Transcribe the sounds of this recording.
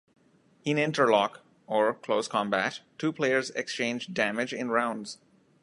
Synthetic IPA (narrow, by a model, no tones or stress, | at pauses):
ɪ̃nɪ̃nʈəɹlɔk | ɔɹkʰloʊskʰɑ̃mbætʰːuːpʰleɪəɹzɛ̰kst͡ʃẽːnd͡ʒdæmɪd͡ʒɪ̃nɹãʊ̃nɖz̥